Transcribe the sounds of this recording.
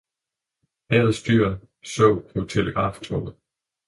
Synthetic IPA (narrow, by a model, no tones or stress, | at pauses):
hɛːð̩ˠsd̥yɐ̰ | sɔ̰ʊ̰pʰɔ̽t͡sʰe̝ləɡ̥ʁɑ̰̈ːft͡sʰɔ̰bð̩ˠ